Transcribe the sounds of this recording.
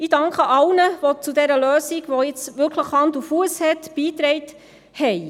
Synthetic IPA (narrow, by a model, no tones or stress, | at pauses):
idɑŋkχəʔɑlnəʋɔt͡sudɛɾəløːsiɡʋɔjɪt͡sʋʏɾkʰləχhɑndufuəshɛtb̥iːt̪ɾɛɪt | hɛɪ